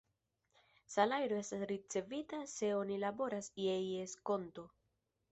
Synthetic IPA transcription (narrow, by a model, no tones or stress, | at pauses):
salajɾo̞e̞stasɾit͡se̞vitase̞o̞nilabo̞ɾasjejesko̞nto̞